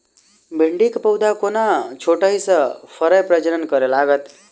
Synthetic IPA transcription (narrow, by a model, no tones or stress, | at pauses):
bʱiɳɖikpʌwd̪akonat͡ʃʰoʈʌjsʌpʰʌɾʌjpɾʌd͡ʒənʌnkʌɾelaɡʌt̪